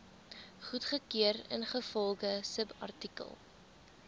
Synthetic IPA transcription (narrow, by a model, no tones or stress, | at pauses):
χutχəkiəɾə̰nχəfɔlˠχəsəpɐ̰rtikə̰lˠ